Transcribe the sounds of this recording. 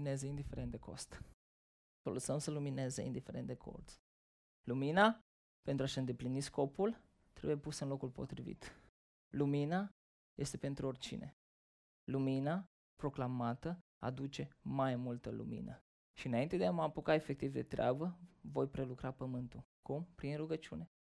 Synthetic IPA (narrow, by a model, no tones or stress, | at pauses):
nezeind̪ifeɾe̞nt̪d̪eko̞̰st̪ | foləsəmsəlumine̞zḛḭnd̪ife̞ɾe̞nd̪ekʰo̰rt̪s | lumina | pent̪ɾuaʃɨnd̪e̞plinisko̞pul | t̪ɾe̞̰buje̞pusəɨnlo̞kulpo̞̰t̪ɾivḭt̪ | lumina | je̞st̪e̞pe̞nt̪ɾuo̞rʲt͡ʃḭne̞̰ | lumina | pɾo̞klamat̪ə | a̰d̪ut͡ʃe̞majmult̪əlṵmḭnə | ʃiɨnaint̪e̞d̪eamapukaefe̞k̚t̪ivd̪e̞̰t̪ɾʲea̰bəvo̞jpɾe̞lukɾapəmɨnt̪u | kumpɾinruɡət͡ʃṵne̞